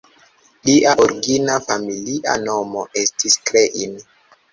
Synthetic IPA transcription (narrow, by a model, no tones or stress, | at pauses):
liʔaʔoɾɡinafamiliʔa̰no̞mo̞ʔe̞stʰiskɾeʔin